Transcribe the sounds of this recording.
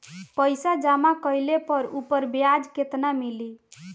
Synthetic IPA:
pəjsad͡ʒamakəjlepəɾupəɾbejad͡ʒket̪namili

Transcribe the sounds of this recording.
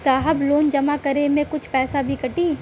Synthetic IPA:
saːɦəbloːnd͡ʒɐmakɐɾemẽkʊt͡ʃʰpɛːsabʱikɐʈiː

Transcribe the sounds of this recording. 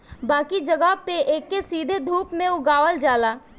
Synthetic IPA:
baːkid͡ʒɐɡəɦpeʔeːkːesiːd̪ʱed̪ʱuːpmẽʊɡaːʋəld͡ʒaːlaː

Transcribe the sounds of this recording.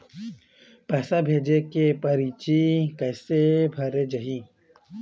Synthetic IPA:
pɛːsabʱeːd͡ʒekepɐɾiːt͡ʃikɐːsebʱɐɾed͡ʒɐɦiː

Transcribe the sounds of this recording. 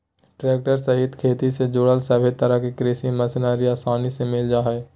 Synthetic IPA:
ʈɾeːk̚ʈəɾsɐɦɪt̪kʰeːt̪ised͡ʒoːɽəlsɛːbʱet̪əɾəɦkekɾeːsiməsɪnaːɾiaːsaːnisemɪld͡ʒaːɦɛː

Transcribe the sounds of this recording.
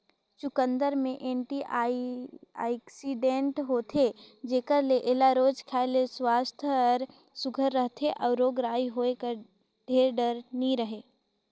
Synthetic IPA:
t͡ʃʊkə̃nd̪əɾmẽʔẽːɳʈia | a̰ksiɖẽɳʈɦoːt̪ʰed͡ʒeːkəɾleʔeːlaɾoːd͡ʒkʰaleswaːst̪ʰɾ | sʊɡʱəɾːəɦt̪ʰeʔɔːɾːoːɡɾaːiɦoekəɾ | ɖʱeːɾɖəɾniɾəɦeː

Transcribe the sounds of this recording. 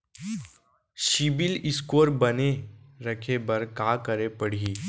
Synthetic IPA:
ʃɪbɪlɪskoːɾbɐneɾɐkʰebɐɾkaːkəɾepɐɽ̤iː

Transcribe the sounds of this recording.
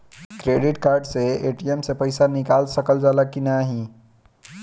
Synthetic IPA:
kɾeɖiʈkaɾɖseeʈiemsepəɪsanikalsəkəld͡ʒalakːinaɦĩ

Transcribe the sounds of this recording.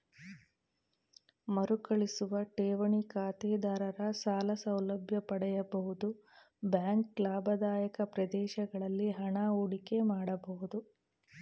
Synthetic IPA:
mɐɾukɐɭisuʋɐʈɛːʋɐɳikaːt̪ɛːd̪aːɾɐɾɐsaːlɐsɐwlɐbʱjɐpɐɽɛjɐbɐɦud̪u | bjaːŋklaːbʱɐd̪aːjɐkɐpɾɐd̪ɛːʃɐɡɐɭɐlːiɦɐɳauɽike̞maːɽɐbɐɦud̪u

